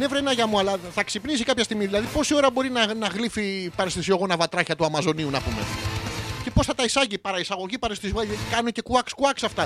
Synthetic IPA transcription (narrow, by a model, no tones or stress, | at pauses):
ne̞vɾenɐʝɐmuɐlɐθɐksipnis̬ikɐpçɐst̪iɣmiðilɐðipo̞sio̞ɾɐbo̞ɾinɐnɐɣlifipɐɾest̪isioɣonɐvɐt̪ɾɐçɐt̪uɐmɐzo̞niunɐpume̞̰ | ce̞po̞sθɐt̪ɐisɐʝipɐɾɐisɐɣo̞ʝipɐɾest̪izuɐʝɐt̪ikɐnunece̞kuɐkskuɐksɐft̪ɐ